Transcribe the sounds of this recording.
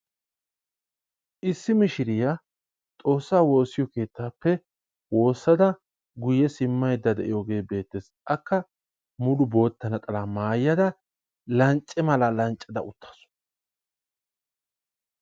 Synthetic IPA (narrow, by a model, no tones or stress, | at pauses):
ʔɪsːɪmɪʃɪɾɪja | t̪ʼo̞ːsːaːwo̞ːsːɪjɔke̞ːt̪ːaːpːɛ | wo̞ːsːɐd̪ɐ | ɡʊjɛsɪmːɐjd̪ːɐd̪ɛ̰ʔɪ̰joːɡe̞ːbe̞ːt̪ːesʔɐkːɐ | mʊlʊbo̞ːt̪ːɐnɐt̪ʼɐlamaːjːɐd̪ɐ | lɐnt͡ʃʼːɛmɐlalɐnt͡ʃʼːɐd̪ɐ̰ʔʊt̪ʰːɐ̥sʊ̥